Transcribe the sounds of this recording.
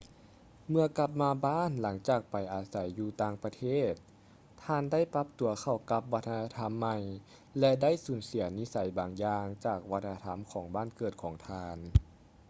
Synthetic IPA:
mɯ˧ɐka˧p̚maː˧baː˥˨nla˩˦ŋt͡ɕaː˨˩k̚pa˨˩jʔaː˨˩sa˨˦jːuː˧t̪aː˧ŋpa˧t̪ʰeː˥˩t̪̚ʰː | aː˧˥nda˥˨jpa˧˥p̚t̪u˨˩ɐkʰa˧˨˩wka˧˦p̚ʋa˧˥t̪̚ʰːa˧na˧t̪ʰa˧˥mːa˧˩j | lɛ˧da˥˨jsuː˨˩˦nsi˨˩˦ɐni˧˥sa˨˩˦jbaː˨˩ŋjaː˧ŋt͡ɕaː˨˩k̚ʋa˧t̪̚ʰːa˧t̪ʰa˧˥˨mkʰɔː˩˦ŋbaː˥˨nkɤː˨˩t̪̚kʰɔː˩˦ŋt̪ʰaː˧n

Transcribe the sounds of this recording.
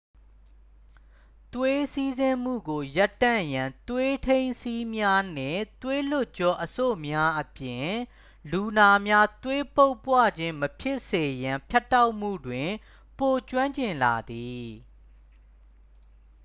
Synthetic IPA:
t̪we˦si˦zɪ̃˦m̥ṵ˦˨ɡo˨ja˦tːã̰˦˨jã˨nt̪we˦tʰẽ˦ɪ̃nsi˦mja˦n̥ɪ̰̃˦˨t̪we˦lʊ˦˨ʔt͡ɕɔ˦ʔəso̰˦˨mja˦ʔəpjɪ̃˨ | lu˨na˨mja˦t̪we˦po˦ʊpːwä̰˦˨d͡ʑɪ̃˦məpʰjɪ˦ʔse˨jã˨mpʰja˦tːa˦ʊʔm̥ṵ˦˨dwɪ̃˨ | po˨t͡ɕwã˦ɲt͡ɕɪ̃˨nla˨d̪i˨

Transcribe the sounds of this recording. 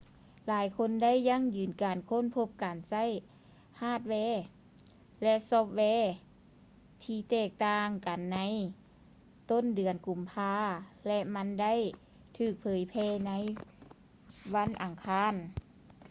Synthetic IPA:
laː˨˦jkʰo˧˥˨nda˥˨jːa˧˥˨ŋjɯː˨˩nkaː˨˩nkʰo˧˥˨npʰo˧˥p̚kaː˨nsa˧˥˨j | haː˧˥˩t̪̚wɛː˧˥ | lɛ˧ʔsɔː˧p̚wɛː˧˥˩ | t̪ʰiː˧˩t̪ɛː˧˩k̚t̪aː˧ŋka˨nːa˧˥j | t̪o˧˥˨ndɯ˨˩ənku˨˩mpʰaː˧˩lɛ˧ʔma˧˥nda˥˨j | t̪ʰɯː˧˩k̚pʰɤː˨˦jpʰɛː˧˥˨na˧˥j | wa˧˥˨nʔa˨˩ŋkʰaː˧˥˨n

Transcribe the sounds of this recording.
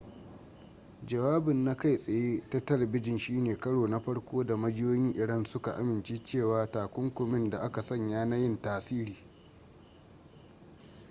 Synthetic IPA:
d͡ʒɐ˨waː˦bɪ˨nːa˦ka˦˨jsʼɐ˨jeː˦ta˦tɐ˦lɐ˨bɪ˦d͡ʒɪ˨nʃiː˦neː˨kɐ˦ɽoː˨na˦ɸɐ˦ɽkʷoː˦da˨mɐ˦d͡ʒɪ˦joː˦jɪ˦ŋʔɪ˨ɽɐ˦nsʊ˦ka˨ʔa̰˦mɪ˨nt͡ʃeː˦t͡ʃeː˦˨waː˨taː˨kʷʊ˦ŋkʷʊ˨mɪ˦nda˨ʔa˦ka˨sɐ˦˨ɲjaː˦na˦jɪ˦ntaː˨siː˦ɾiː˨

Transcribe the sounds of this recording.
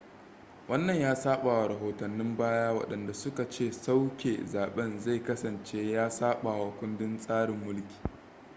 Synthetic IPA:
wɐ˦nːɐ˨ɲjaː˦saː˦ɓaː˨wa˨ɾɐ˨ɦoː˨tɐ˨nːɪ˦mbaː˦jaː˦wɐ̰˨ɗɐ˨nda˨sʊ˦ka˨t͡ʃeː˦˨sa˦wkʲeː˨zaː˨ɓɛ˦nza˦˨jkɐ˦sɐ˨nt͡ʃeː˦jaː˦saː˦ɓaː˨wa˨kʷʊ˦ndɪ˦nsʼaː˦ɽɪ˨mːʊ˦lkʲi̥ː˨

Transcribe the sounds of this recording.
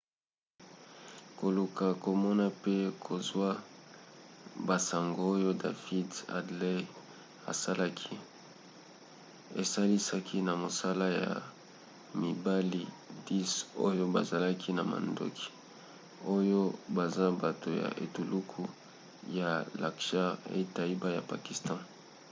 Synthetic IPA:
ko˨lu˨ka˨ko˨mɔ˦na˦pe˦kʰo˨zwa˦ | ba˨sa˨ŋɡo˨˦o˦jo˦da̰˨fi˦da̰˨dle˦ | a̰˨sa˦la˦kʰi˦ | ḛ˨sa˦li˦sa˦kʰi˦na˨mo˨sa˦la˦ja̰˨ | mi˨ba˦li˦ | di˦so̰˦jo˦ba˨za˨la˦kʰi˦na˨ma̰˨ndo̰˦kʰi̥˨ | o˦jo˦ba˨za˦ba˨to˨ja̰˨ʔḛ˨tu˨lu˦kʰu˦ | ja˨la˨kʃa˦ʁḛ˦ta˨i˦ba˦ja˨pa˨ki˨stɑ̃˦

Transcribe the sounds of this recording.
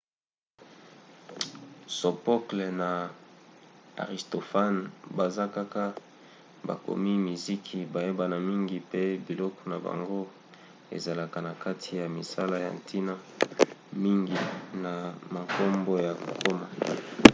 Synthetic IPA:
so˨po˦kle˨na˨ | a̰˨ʁi˨sto˨fa˦nba˨za˦ka˦ka˦ | ba̰˨ko̰˨mi˦mi˨zi˦kʰi˨ba˨je˦ba˨na˨mi˦ŋɡi˨pe˦bi˨lɔ˦kɔ̥˨na˨ba̰˨ŋɡo˦ | ḛ˨za˨la˨ka˨na˨ka˦tʰi˨ja˨mi˨sa˦la˦ja̰˨ntʰi˦na˦ | mi˦ŋɡi˨na˨ma˨ko˦mbo˦ja˨ko˨ko˦ma˨

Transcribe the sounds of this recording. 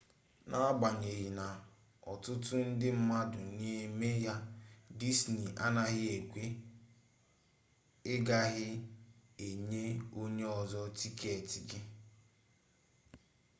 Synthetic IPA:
nʔa˦ɡ͡ba˨ɲe˨ɣi˨na˨ | ɔ˨tʊ˦tʊ˦n̩˦dɪ˦m̩˦ma˦dʊ˨ɲe˦e˦me˦ja˦di˦sni˨ʔa˦na˦ɣɪ˦e˨kʷe˦ | ɪ˦ɡa˦ɣɪ˦ | e˨ɲe˦o˦ɲe˦ɔ˨zɔ˦ti˦kʰe˨e˨ti˨ɡɪ˦

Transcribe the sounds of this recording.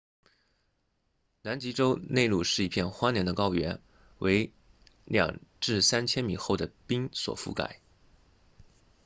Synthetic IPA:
na˧˥nt͡ɕi˧˥ʈ͡ʂo˥ʊne˥˧ɪlu˥˧ʂɻ̩˥˩i˧˥pʰjɛ˥˩nxwa˥njɛ˧˥nd̪ə˧kɑ˥ʊɥɛ˧˥n | wʔe˧˥ɪ | ljɑ̰˨˩ŋʈ͡ʂɻ̩˥˩sa˥nt͡ɕʰjɛ˥nmi˨˩xo˥˩ʊd̪ə˩pi˥ŋswɔ̰˨˩fṵ˥˩ka̰˨˩˦ɪ

